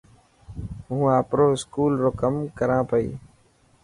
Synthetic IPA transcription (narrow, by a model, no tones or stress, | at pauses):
ɦũːaːpɾoːɪskuːlɾoːkəmkəɾãːpəḭː